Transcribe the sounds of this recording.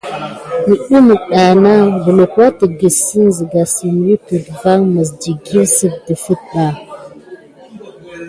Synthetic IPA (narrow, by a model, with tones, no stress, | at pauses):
nə˨ɗu˦mu˨ɗa˨na˦və˨lo˨kwa˦tə˨ɡə˨si˦n˨zi˨ɡa˨si˨m˦wi˦pi˨tva˦ŋmə˨sdi˨ɡi˦lsi˦b̚də˨fə˦t̚ɓa˨